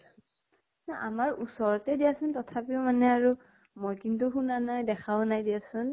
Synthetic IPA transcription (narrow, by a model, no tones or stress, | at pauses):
naʔamaɹusɔɹɔtɛdijasʊntɔtʰapiɔmanɛaɹu | mojkintuxunanajdɛkʰawnajdiasʊn